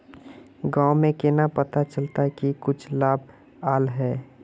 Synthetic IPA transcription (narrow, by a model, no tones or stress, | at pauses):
ɡãːʊmẽkɪnapət̪at͡ʃəlt̪akikʊt͡ʃʰlaːb | aːlɦɛː